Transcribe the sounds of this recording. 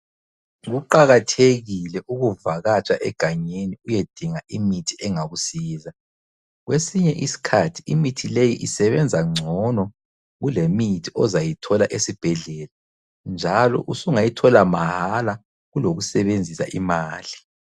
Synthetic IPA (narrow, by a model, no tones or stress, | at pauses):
ɣuǃaɣatʰeɣilɛʔuɣuvaɣat͡ʃʼaʔɛɡ̥ʱaɲeniujed̥ʱiŋaʔimitʰiɛŋaɣusiːza | ɣwesiɲɛʔisi̥kʰatʰi̥imitʰilejiʔisɛβɛnd͡zʱaŋ͡ǀʱɔnɔ | ɣulemitʰiɔzajitʰɔlaʔesib̥ʱɛɮɛla | nd͡ʒʱalɔ̰ʔusuŋajitʰɔlamahala | ɣuloɣusɛβend͡zʱisa̰ʔimaːli